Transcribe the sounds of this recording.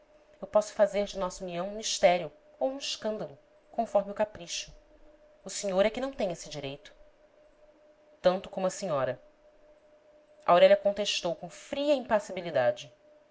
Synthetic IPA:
ewpɔsʊ̥fazeɾd͡ʒɪnɔsɐuniɐ̃w̃ũmiʃt̪ɛɾiʊ | owũɪʃkɐ̃nd̪ɐlˠʊ | kõfɔɾmɪʊkapɾiʃʊː | seɲoɾɛkɪnɐ̃w̃t̪ẽj̃ɲesɪd͡ʒiɾejt̪ʊ̥ | t̪ɐ̃nt̪ʊkõmʊɐsĩɲɔɾɐ | ʔawɾɛʎʲɐkõnt̪eʃt̪owkõfɾiɐĩpasibilid̪ad͡ʒɪ

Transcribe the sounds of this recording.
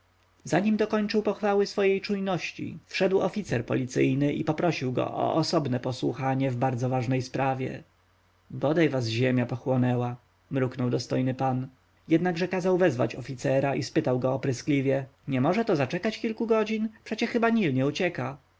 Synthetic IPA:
zaɲimd̪ɔkɔɲt͡ʂɨwpɔxfawɘsfɔjejt͡ʂujnɔɕt͡ɕḭfʂɛd̪wɔfʲit̪sɛɾpɔ̰lʲit̪sɘ̰jnɘʔḭpɔpɾɔɕiwɡɔ̰ʔɔ̰ʔɔsɔbnɛpɔswṵxaɲɛvbaɾd̪zɔvaʐnɛjspɾavʲjɛ̰ | bɔd̪ajvazʑɛmʲjapɔxwɔnɛwa | mɾuknɔwd̪ɔst̪ɔjnɘpan | jɛd̪naɡʐɛkazawvɛzva̰t͡ɕɔfʲit̪sɛɾaʔispɘt̪awɡɔːpɾɘsklʲivʲjɛɲɛmɔʐɛt̪ɔzat͡ʂɛkat͡ɕkʲilkuɡɔd͡ʑinpʂɛt͡ɕɛxɘbaɲilɲɛut͡ɕɛka

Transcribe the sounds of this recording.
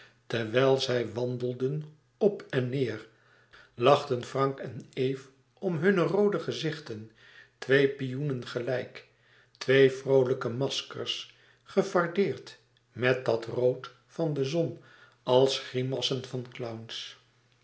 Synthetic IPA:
tɛɹʋɛlˠzɛjʋɑndəlˠdən | ɔpɛnːɪːr | lɑχtənfrɑŋkɛnejf | ʔɔmɦɵnərowdəχəzɪχtən | tʋejpijunənχəlɛjk | tʋejfrowləkəmɑskə̰ɹs | χəvɑɹdɪːɹt | mɛt̚dɑtrowt | fɑndəzɔn | ɑlˠsχimɑsənfɑnklawns

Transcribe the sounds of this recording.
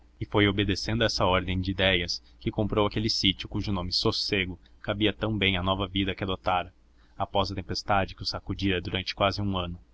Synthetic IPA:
ɪfojobed̪esẽnd̪ʊɛsɐɔɾd̪ẽj̃d͡ʒɪid̪ɛjɐs | kɪkõmpɾowakelɪsit͡ʃʊkuʒʊnõmɪsoseɡʊkabiɐt̪ɐ̃w̃bẽj̃ɐnɔvɐvid̪ɐkɪad̪ot̪aɾɐ | apɔzɐt̪ẽmpest̪ad͡ʒɪkɪʊsakud͡ʒiɾɐd̪uɾɐ̃nt͡ʃɪ̥kwazɪũɐ̃nʊ

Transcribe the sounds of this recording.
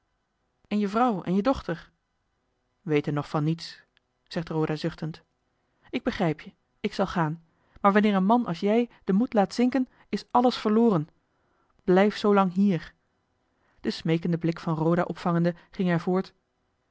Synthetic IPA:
ɛnjəvrɑwɛ̰njədɔχtəɹ | ʋejtənɔχfɑnːits | z̥ɛχtrowdaːzʏχtənt | ɪɡ̚bəχrɛjpjə | ɪksɑlˠχaːn | maːɹʋɑnɪːɹənmɑnʔɑ̰lˠsjɛjd̥əmutlaːtsɪŋkən | ɪsɑləsfəɹlʊːrən | b̥lɛjfsowlɑŋɦiːɹ | d̥əsmejkəndəblɪkfɑnrowdaʔɔpfɑŋəndəχɪŋɛɹvʊːɹt

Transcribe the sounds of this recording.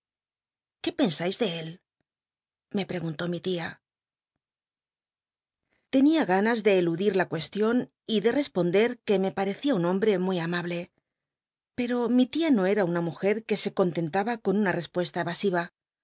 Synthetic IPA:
ke̞pe̞nsajzðe̞el | me̞pɾe̞ɣ̞unt̪o̞mit̪ia | t̪e̞niaɣanazðe̞ːluðiɾlakwe̞st̪jo̞n | iðe̞re̞spo̞nd̪e̞ɾke̞me̞paɾe̞θiaunõ̞mbɾe̞mujamaβle̞ | pe̞ɾo̞mit̪iano̞e̞ɾaunamuxe̞ɾke̞se̞ko̞nt̪e̞nt̪aβako̞nunare̞spwe̞st̪aeβasiβ̞a

